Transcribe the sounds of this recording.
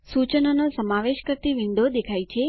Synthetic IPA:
sut͡ʃənonosəmaʋeʃkəɾt̪iʋɪ̃nd̪ʱod̪ekʰajt͡ʃʰe

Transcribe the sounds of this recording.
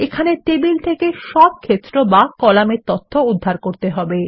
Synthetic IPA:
ekʰanet̪ebilt̪ʰekeʃɔb̚kʰet̪ːɾobakɔlameɾt̪ot̪ʰːoud̪ʱːaɾkoɾt̪eɦɔbe

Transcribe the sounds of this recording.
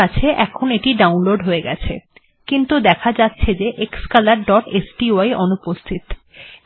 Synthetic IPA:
at͡ɕʰeʔɛkʰoneʈiɖawnloɖɦoeɡɛ̰t͡ɕʰḛ | kint̪ud̪ɛkʰad͡ʑatːɕʰed͡ʑeʔekskalaɾɖɔʈesʈioajʔonupost̪ʰit̪

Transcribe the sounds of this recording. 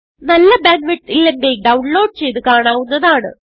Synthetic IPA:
nɐlːɐbaːnʋiʈːilːeŋɡilɖɐwɳlo̞ːɖ̚t͡ɕe̞jt̪ɨkaːɳaːʋunːɐðaːɳɨ̰

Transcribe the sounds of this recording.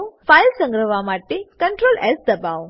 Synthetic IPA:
fajlsə̃ŋɡɾəʋamaʈekəɳʈɾolʔɛsd̪əbaʋ

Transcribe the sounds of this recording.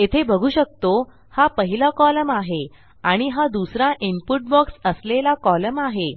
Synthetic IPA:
et̪ʰebʱəɡʱuːɕək̚t̪o | hapəɦilakɔləmaɦe | aɽ̃iɦad̪usɾãʔimpuʈ̚bəksəslelakɔləmaɦe

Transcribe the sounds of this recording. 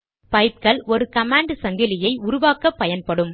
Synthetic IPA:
pɐɪp̚kɐɭɔɾɯkɐmaːɳɖsɐŋɡɪlɪjɐɪʊɾʊʋaːkɐpːɐjɐnpɐɽɯm

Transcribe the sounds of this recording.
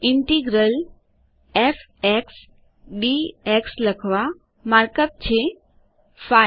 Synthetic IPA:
iɳʈiɡɾəl | ef | eks | ɖieksləkʰʋa | maɾkəp̚t͡ɕʰe | fa

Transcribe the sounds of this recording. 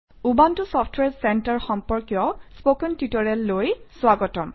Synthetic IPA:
ubantʊsɔpʰtʰwɛɹsɛntaɹxɔmpɔɹkjɔspokɔntitɔɹɛlːojswaɡɔtɔm

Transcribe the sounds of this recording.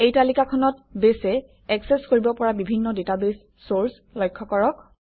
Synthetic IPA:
ejtalikakʰɔnɔtbesɛ | ɛksɛskoɹibɔpɔɹabibʱinːɔdetabesːoɹs | lɔjkʰːɔkɔɹɔk̚

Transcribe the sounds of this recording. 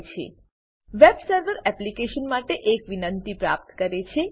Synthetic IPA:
t͡ʃʰḛ | ʋebsəɾʋəɾɛplikeʃənmaʈeʔekʋinənt̪ipɾa̰p̚t̪kəɾet͡ʃʰe

